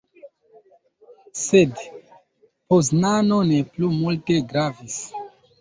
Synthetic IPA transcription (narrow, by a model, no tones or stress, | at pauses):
sed | pos̬nanoneplumulte̞ɡɾavis